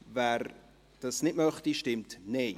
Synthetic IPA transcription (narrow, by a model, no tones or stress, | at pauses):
vɛːɾ | d̥ɑsnɪtmœχtiʃtɪmtneː